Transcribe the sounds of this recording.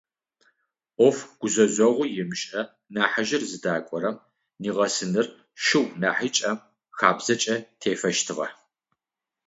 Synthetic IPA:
ʔʷɔfɡ̥ʷʊzɐzʷɐʁʷʊjɪmɕʼʔɐ | naːħaʒɪrzɨdaːkʷʼɔɾɐm | niːʁɐsɨnɨr | ʃɨwnaːħit͡ʃʼɐm | xaːbz̥ɐt͡ʃʼɐtʰeːfɐʃtʰɨʁɐ̰

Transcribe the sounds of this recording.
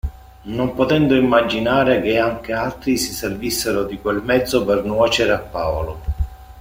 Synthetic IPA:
nompot̪ɛnd̪ʊimːad͡ʒinaːɾek̟eaŋk̟ealt̪ɾisiservisːeɾʊd̪ikwelmɛd̪zːʊpernwɔːt͡ʃeɾeapːaːolo

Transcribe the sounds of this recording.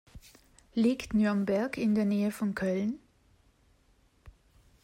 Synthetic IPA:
liːktnyɐnbɛɐkɪndeːɐneːəfɔnkʰœln

